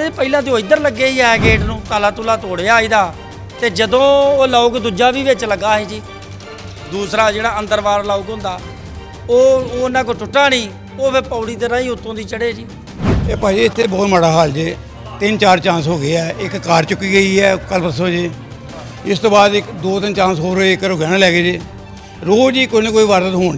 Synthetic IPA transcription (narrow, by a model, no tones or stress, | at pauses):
epəiːlãːd̪iːoːid̪əɾləɡːeːiːɛːɡeːʈnũːt̪aːlaːt̪uːlaːt̪oːɽeːaːiːd̪aː | t̪eːd͡ʒəd̪õːoːlaːʊːkd̪ʊd͡ʒaːʋiːʋɪt͡ʃləɡaːɦeːd͡ʒiː | d̪uːsɾaːd͡ʒeːɽaːənd̪əɾʋaːɾlaːukɦʊ̃nd̪aː | oːoːnãːk̬ot͡ʃʊʈːaːnĩː | oːpʰɪpaːɽiːt̪eːɾãːĩːʊt̪ʰːõːd̪iːt͡ʃəɽeːd͡ʒiː | eːpaːiːɪt̪ʰːeːbɔːt̪məɽaːɦaːld͡ʒeː | t̪ɪnt͡ʃaːɾt͡ʃãːsɦoːɡɪaːɪkːaːɾt͡ʃʊkːiːɡəiːɦɛːkəlpəɾsõːd͡ʒeː | ɪst̪õːbaːd̪ɪkd̪oːt̪ɪnt͡ʃãːsɦoːɾeɪkːəɾoːɡɛːɽãːlɛːɡeːd͡ʒeː | ɾoːd͡ʒiːkoneːkoːiːʋaːɾt̪ət̪ɦoːɳ